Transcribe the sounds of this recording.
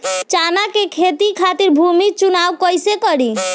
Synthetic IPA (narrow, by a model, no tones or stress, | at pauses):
t͡ʃanakekʰet̪ikʰat̪iɾbʱumit͡ʃunawkɔjsekɔɽi